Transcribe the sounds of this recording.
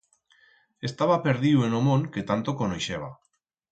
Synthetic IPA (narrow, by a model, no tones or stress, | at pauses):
est̪aβapeɾðiwenomõŋket̪ant̪okonojʃeβ̞a